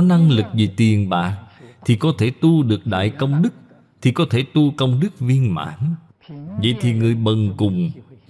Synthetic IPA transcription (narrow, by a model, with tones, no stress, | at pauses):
na˧ŋlɨ˨˩k̚vi˨˩t̪i˨˩ənɓa̰ː˧˨ʔt̪ʰi˨˩kɔ˨˦t̪ʰe˧˩t̪u˧ɗɨ˨˩ək̚ɗa̰ː˧˨jkə˧wŋ͡mɗɨ˦˥k̚ | t̪ʰi˨˩kɔ˨˦t̪ʰe˧˩t̪u˧kə˧wŋ͡mɗɨ˦˥k̚vi˧ənma̰ː˧˥n | və̰˧˨jt̪ʰi˨˩ŋɨ˨˩əjɓə˨˩ŋkʊ˨˩ŋ͡m